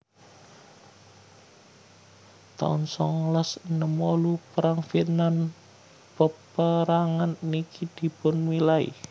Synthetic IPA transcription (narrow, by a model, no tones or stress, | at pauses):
t̪a̰nsɔŋlasnəmolupəɾaŋfit̪nan | pəpəɾaŋanːikid̪̥i̤pʊnmilaḭ